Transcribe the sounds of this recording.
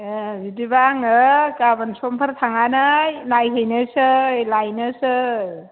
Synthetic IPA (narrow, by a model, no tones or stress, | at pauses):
zidibaŋɯkabansɔmpʰaɾt̪ʰaŋanajnajɦejnɯsɯlajnɯsɯ